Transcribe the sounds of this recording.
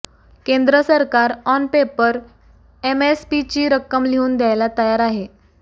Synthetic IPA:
kend̪ɾəsəɾkaɾɔnpepəɾ | emespit͡ɕiːɾəkːəmliuːnd̪jajlat̪əjaɾaɦe

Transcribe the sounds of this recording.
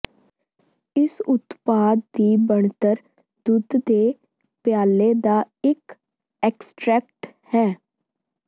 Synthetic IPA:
ɪsʊt̪paːd̪̚d̪iːbəɳt̪əɾ | d̪ʊd̪d̪eː | pɪjaːleːd̪aː | ɪk | ɛːksʈɾɛːk̚ʈhɛː

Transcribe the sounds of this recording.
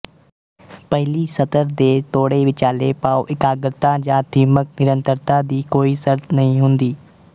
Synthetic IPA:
pɐɦɪlisɐt̪əɾd̪eːt̪oːɽeʋɪt͡ʃaːlepaːoʔɪkaːɡəɾt̪ãd͡ʑãːd̪ʱiːmək̚nɪɾə̃nt̪əɾt̪ad̪iːkoːisɐɾt̪ʰnɐɦĩɦʊ̃ːnd̪iː

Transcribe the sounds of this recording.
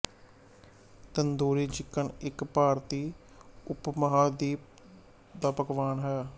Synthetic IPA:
t̪ənd̪oːɾiːd͡ʒɪkːəɳɪkpaːɾt̪iː | ʊpməɦaːd̪iːp̚ | d̪aːpəkʋaːnɦɛː

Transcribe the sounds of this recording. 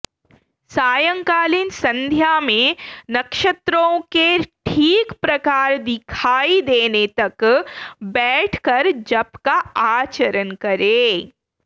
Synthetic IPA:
saːjə̃ŋkaːlinsɐ̃nd̪ʱjamẽnɐkʃət̪ɾõkeʈʰiːkpɾɐkaːɾd̪ɪkʰaːid̪eːnet̪ɐk | bɛːʈʰkɐɾd͡ʒɐbkaaːt͡ʃəɾənkɐɾeː

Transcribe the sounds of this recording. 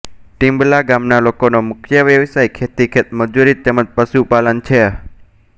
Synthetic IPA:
ʈĩmblaɡamnalokonomʊkʰjəʋjəʋsajkʰet̪ikʰet̪məd͡ʒuɾit̪ːɛməd͡ʒpəʃupalənt͡ʃʰe

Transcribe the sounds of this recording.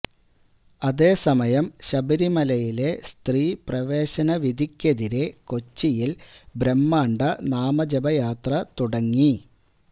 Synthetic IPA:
ɐðe̞ːsɐmɐjɐmɕɐbɐɾimɐlɐjile̞st̪riːprɐʋeːɕɐnɐʋid̪ʱikʲːɐðiɾe̞ko̞t͡ɕːijilbɾemːaːɳɖɐnaːmɐd͡ʑɐbɐjaːt̪rɐt̪uɽɐŋːi

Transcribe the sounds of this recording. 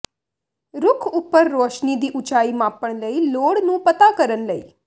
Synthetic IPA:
ɾʊkʰupːəɾːoːʃnid̪iʔut͡ʃaimãpəɳləiloːɽnũːpət̪akəɾənləḭ

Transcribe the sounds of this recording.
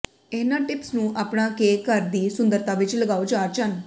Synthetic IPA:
ɛnaʈipsnũːʔapɳ̃ãkekaɾd̪isund̪əɾt̪aʋet͡ʃiləɡawt͡ʃat͡ʃan

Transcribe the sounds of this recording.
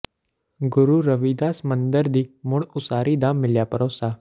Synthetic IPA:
ɡʊɾuɾəʋiːd̪aːsmə̃nd̪əɾd̪iːmʊɽʊsaːɾid̪aːmːɪljaːpəɾoːsaː

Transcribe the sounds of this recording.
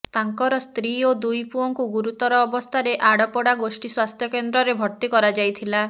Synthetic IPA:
t̪aŋkɔɾɔst̪ɾiod̪ujpuɔŋkuɡuɾut̪ɔɾɔːbɔst̪ʰaɾeʔaɽɔpɔɽaɡosʈiswast̪ʰjɔkend̪ɾɔɾebʱɔɾt̪ikɔɾad͡ʒajt̪ʰila

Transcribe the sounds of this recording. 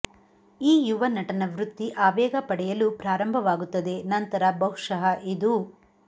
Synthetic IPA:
iːjuʋɐnɐʈɐnɐʋɾut̪ːiʔaːʋɛːɡɐpɐɽɛjɐlupɾaːɾɐmbʱɐʋaːɡut̪ːɐd̪e̞nɐnt̪ɐɾɐbɐɦuʂɐɦɐʔid̪u

